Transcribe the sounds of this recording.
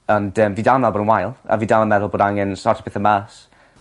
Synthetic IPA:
əndəːmviːdanalboːdənwajlˠa̰viːdalˠəmɛðʊlˠboːdaŋɛnsɔrtʰi̥pɪθəmaːs

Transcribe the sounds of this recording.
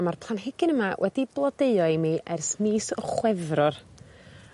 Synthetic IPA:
marpʰlˠanɦɪɡɪnəmawʔɛdiblˠɔdeɨɔɨmiːʔɛrsmiːsɔχwɛvrɔr

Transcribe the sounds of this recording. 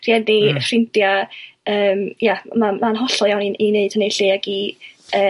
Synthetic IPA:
r̥iɛdifrɪntjaəːmjamamanɦɔɬɔjawniineɨd̥ənejɬiːaɡiəː

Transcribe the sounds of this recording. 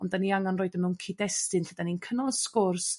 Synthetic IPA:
ɔndaniaŋanroːɨdəmɛwnkʰidɛstɨnfəd̥aninkʰənɔlˠskʊrs

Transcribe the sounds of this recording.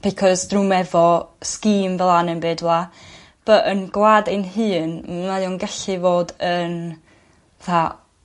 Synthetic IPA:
b̥ikʰɔzdrumɛvɔskiːmvɛlˠanənbɨːdwlˠa | b̥əʔənɡlˠaːdɪnɦɨːnmnajɔnɡɛɬɨvoːdən | aθa

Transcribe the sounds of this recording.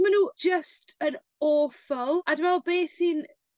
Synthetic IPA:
mənu̥d͡ʒəstə̃n | ɔːfəlˠadwɛlˠbeːsin

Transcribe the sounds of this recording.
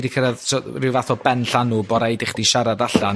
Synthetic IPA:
dikʰəɾaðsɔrɪwvaθɔbɛnɬanːuːbɔɾajdɪχd̥iʃaɾadaɬa

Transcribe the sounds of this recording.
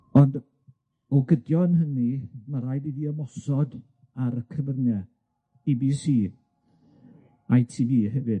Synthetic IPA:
ɔnd | ɔɡədjɔnhənimaɾajdiðiəmɔsɔd | aɾəkʰəvərnɛ | ibisiː | ajtʰiviːɦɛvɨd

